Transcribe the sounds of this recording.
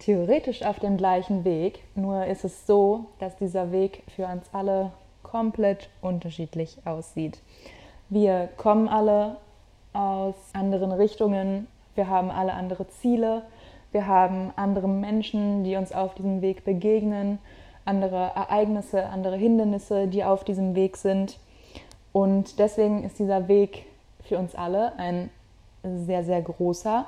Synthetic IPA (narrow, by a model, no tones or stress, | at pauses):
tʰeoʁeːtɪʃaʊfd̥eːmɡlaɪçn̩veːknuːɐɪstɛsz̥oːd̥asd̥iːzɐveːkfyːɐʊnsʔalə | kʰɔmpl̥ɛtʔʊntɐʃiːtlɪçʔaʊsz̥iːt | viːɐkʰɔmənʔalə | ʔaʊsʔandəʁ̞ənʁɪçtʊŋən | viːɐɦaːbm̩ʔaləʔandəʁ̞ət͡siːləviːɐɦaːbm̩ʔandəʁəmɛnʃn̩diːʊnsaʊfd̥iːzəmveːkb̥əɡeːɡnən | ʔandəʁ̞əʔɛɐʔaɪɡnɪsəʔa̰ndəʁ̞əɦɪndɐnɪsədiːaʊfd̥iːzəmveːkz̥ɪnt | ʔʊntd̥ɛsv̥eːɡŋ̩ɪst̚d̥iːzɐveːk | fyːɐʊnsʔaləʔaɪn | zeːɐzeːɐɡʁoːsɐ